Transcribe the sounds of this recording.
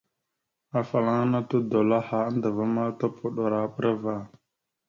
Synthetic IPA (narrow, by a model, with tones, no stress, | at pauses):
a˨fa˨la˦ŋ˦na˦tu˦do˨la˦ha˨a˦ndə˨va˦ma˦to˦pu˦ɗo˨ɾa˨ɓə˦ɾa˦va˨